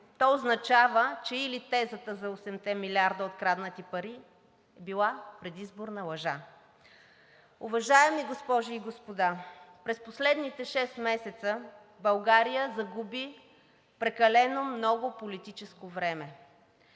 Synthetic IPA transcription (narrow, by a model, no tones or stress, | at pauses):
t̪ɔoznɐt͡ʃavət͡ʃɛilit̪ɛzət̪əzɐosɛmt̪ɛmilʲiaɾd̪əot̪kɾad̪nət̪ipɐɾi | ɛbilˠapɾɛd̪izboɾnəlˠɐʒa | ʊvɐʒaɛmiɡospɔʒiːɡospod̪apɾɛsposlɛd̪nit̪ɛʃɛst̪mɛsɛt̪sə | bɐlˠɡaɾijəzɐɡubi | pɾɛkɐlɛnomnɔɡʊpolit̪it͡ʃɛskovɾɛmɛ